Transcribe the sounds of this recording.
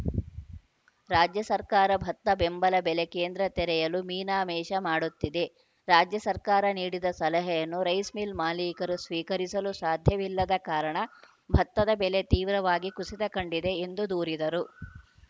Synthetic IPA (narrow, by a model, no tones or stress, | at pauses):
ɾaːd͡ʒjɐsɐɾkaːɾɐbʱɐt̪ːɐbembɐlɐbɛlekeːnd̪ɾɐt̪ɛɾɛjɐlumiːnaːmɛːʃɐmaːɽut̪ːid̪e̞ | ɾaːd͡ʒjɐsɐɾkaːɾɐniːɽid̪ɐsɐlɐɦɛjɐnːuɾɐjsmilmaːliːkɐɾusʋiːkɐɾisɐlusaːd̪ʱjɐʋilːɐd̪ɐkaːɾɐɳɐ | bʱɐt̪ːɐd̪ɐbɛle̞t̪iːʋɾɐʋaːɡikusit̪ɐkɐɳɖid̪e̞ːnd̪ud̪uːɾid̪ɐɾu